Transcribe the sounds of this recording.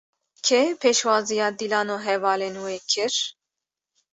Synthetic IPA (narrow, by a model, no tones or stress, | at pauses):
kʰɛpʰeːʃwɑːzijɑːd̪ilɑːnoːɦɛvɑːlenweːkʰɨɾ